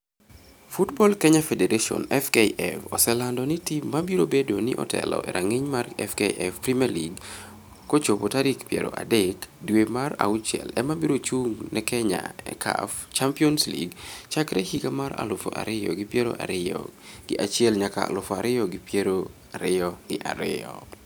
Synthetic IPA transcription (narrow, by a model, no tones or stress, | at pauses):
futbɔlkɛɲafɛdeɾeʃɔ̰nɛfkeʔɛfɔsɛlandɔnitimːabiɾobedonɪʔɔ̰tʰɛ̰lɔ̰ʔɛ̰ɾʔaŋɪɲmarɛfkeʔɛfpɾimialiɡ | kot͡ʃopotaɾikpjḛɾo̰ʔa̰dɛkdwemara̰ʊt͡ʃjɛ̰lɛmabiɾot͡ʃuŋnɛkɛɲa̰ɛ̰kʰa̰ft͡ʃampiɔnslḭɡt͡ʃakɾɛhikamaɾa̰lʊfo̰ʔa̰ɾɪjɔ̰ɡɪpjeɾo̰ʔa̰ | ɡɪʔat͡ʃɪɛlɲaka̰a̰lʊfɔaɾɪjɔɡɾo | aɾɪɔnɪʔa̰ɾɪɔ̰